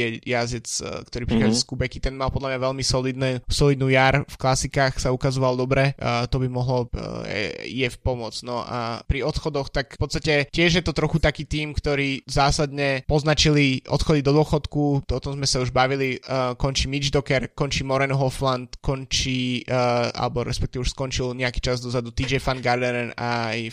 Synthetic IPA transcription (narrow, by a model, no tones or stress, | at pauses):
ɛjazɛt͡skt̪ɔɾiːpɾixad͡zɛskubɛkit̪ɛnmalˠpɔd̪lamɲaʋɛʎmisɔlid̪nɛsɔlid̪nuːjaɾfklasikaːxsaukazɔʋalˠd̪ɔbɾɛt̪ɔbimɔɦlɔɛ̰ḭjɛfpɔmʊɔt͡snɔʔa̰pɾiɔt̪xɔd̪ɔxt̪akpɔtt͡sst̪acɛcɪɛʒjɛt̪ɔt̪ɾɔxut̪akiːt̪iːmkt̪ɔɾiːzaːsad̪ɲɛpɔznat͡ʃiliʔɔ̰t̪xɔd̪id̪ɔd̪ʊɔxɔt̪kuɔt̪ɔmzmɛsauʒbaʋilikɔɲt͡ʃiːmid͡ʒd̪ɔkɛɾkɔɲt͡ʃiːmɔɾɛnɦɔflant̪kɔɲt͡ʃi | a̰lɛbɔɾɛ̰spɛkt̪iʋɛuʃskɔnt͡ʃilɲɛaki̥ːt͡ʃazd̪ɔzad̪ut̪id͡ʒɛfanɡaɾd̪ɛɾɛnaj